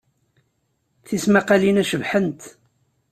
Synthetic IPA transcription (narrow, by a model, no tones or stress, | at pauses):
θismæqɑlinæʃəvħənt̪